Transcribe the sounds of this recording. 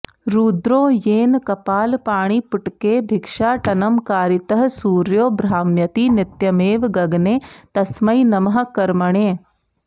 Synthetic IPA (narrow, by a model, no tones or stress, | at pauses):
ɾuːd̪ɾõːjeːnkɐpaːlpaːɽ̃iːpɪʈkeːbʱɪkʂʃaːʈɐnɐmkaːɾit̪ɐɦɐsuːɾjoːbɾaːmjɐt̪iːnɪt̪jɐmeːʋɡɐɡneːt̪ɐsmɐjnɐmɐɦɐ̆kɐɾmɐɽ̃eː